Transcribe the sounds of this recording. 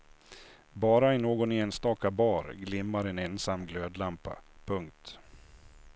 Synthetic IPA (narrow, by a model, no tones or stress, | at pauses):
bɑːɾaɛnoːɡɔneːnst̪ɑːkabɑːɾɡlɪmːaɾɛnɛnsamːɡløːd̪lampa̰pʰɵŋk̚t̪